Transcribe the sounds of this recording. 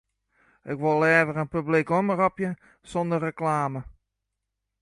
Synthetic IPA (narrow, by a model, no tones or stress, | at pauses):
ɪkʋolɛːvərənpyblikomərɔpjə | sɔndərəklaːmə